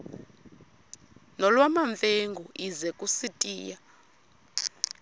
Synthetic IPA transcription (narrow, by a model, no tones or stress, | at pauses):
nɔlwamaɱfeŋɡuʔizɛkʼusitʼiːja